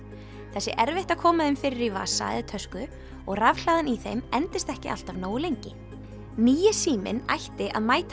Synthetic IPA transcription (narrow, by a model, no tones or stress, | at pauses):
θɛsːɪʔɛɾvɪht̪akʰɔːmaðɪmfɪɾɪɾiva̰ːsa̰jðɪt̪ʰœskʏ | ɔɣravl̥aðɪniθejmɛnt̪ɪst̪ɛhcɪʔa̰l̥t̪avnoːwlejɲcɪ | niːjɪsiːmɪ̰na̰jht̪ɪʔa̰ðmaːjt̪